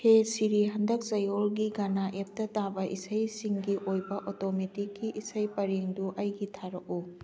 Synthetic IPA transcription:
hesiɾiɦɐndɐk̚zɐjolɡiɡanaʔep̚tɐtabɐʔisɐjsiŋɡiʔojbɐʔotometikːiʔisɐjpɐɾiŋduʔɐjɡitʰaɾɐk̚u

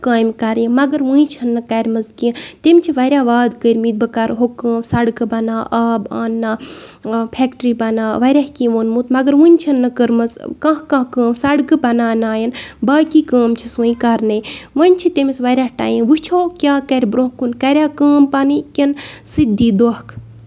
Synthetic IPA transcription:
kaːjmkɐɾjĩmɐɡɐɾʋuĩt͡ʃʰɐnːɨkɐɾʲmɐzkĩt̪emt͡ʃʰiʋɐɾʲjaːʋaːd̪kəɾʲmiːd̪̚bɨkaɾɦokə̃ːmsɐɽkɨbɐnaːʔaːba̰ːnːaː | pʰɛːkʈɾiːbɐnaːʋɐɾʲaːhkĩːʋoːnmut̪mɐɡɐɾʋunʲt͡ʃʰɐnːɨkəɾmɐzkãɦkãkəːmsɐɽkɨbɐnaːnaːjɐnbaːkiːkaːmt͡ʃʰisũːĩkɐɾnɐʋɐnʲt͡ʃʰit̪emisʋɐɾʲaːhʈa̰ːjĩʋɨt͡ʃʰoːkʲaːkɐɾʲbɾõːkunkɐɾʲaːkəːmpaːnikʲensɨd̪iːd̪ohkʰ

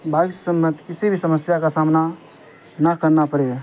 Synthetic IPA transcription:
baːɡsəmːət̪kɪsibʱisɐməsjakasaːmna | nəkəɾnapəɽe

